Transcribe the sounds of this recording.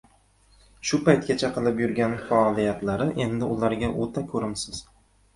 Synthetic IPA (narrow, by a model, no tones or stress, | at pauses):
ʃʊpajt̪̚kʲat͡ʃʰaqʰɨlˠɪpjʊɾɡʲanfaɒlˠijat̪laɾɪʔe̞nd̪ɪʊlaɾɡʲaʔot̪ʰakʲʰɵɾɪmsɪz̥